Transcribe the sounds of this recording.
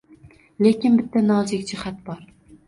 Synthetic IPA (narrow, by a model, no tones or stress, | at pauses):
le̞kʲɪnbɪt̪ʰːanɒːzɪkʲd͡ʒɪhat̪̚bɒɾ